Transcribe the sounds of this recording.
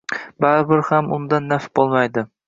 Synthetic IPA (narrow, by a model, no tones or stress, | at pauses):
baɾbɪɾhamʊ̰nd̪anːafb̥olˠmajd̪ɪ